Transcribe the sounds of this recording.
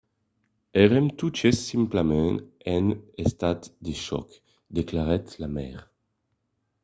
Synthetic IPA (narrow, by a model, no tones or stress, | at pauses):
eʁɛmt̪ut͡ʃesĩmplamɛ̃ɛ̃nest̪at̪d̪eʃɔ̰k | d̪eklaʁɛt̪lamɛ̰ːʁ